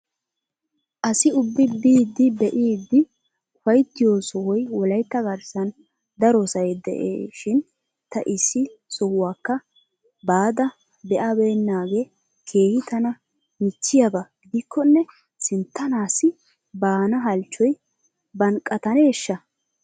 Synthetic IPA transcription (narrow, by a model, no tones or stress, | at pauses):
ʔɐsɪʊbːɪbiːd̪ːɪb̪ɛʔiːd̪ːɪ | ʊfɐjt̪ːɪjoːsɔwɔjwɔlɐjt̪ːɐɡɐɾsɐn | d̪ɐɾɔsɐjɛd̪ɛ̰ʔḛːʃɪn | t̪ɐ̰ʔɪsːɪsɔwːaːkːɐ | baːd̪ɐ | bɛʔɐbeːnːaːɡeː | kʰe̞ːhɪt̪ɐnɐ | mɪt͡ʃːɪjɐbɐɡɪd̪ɪkʰːɔnːɛ | sɪnt̪ːɐnaːsɪ | baːnɐɦɐlt͡ʃːɔj | bɐnkʼːɐt̪ɐneːʃːɐ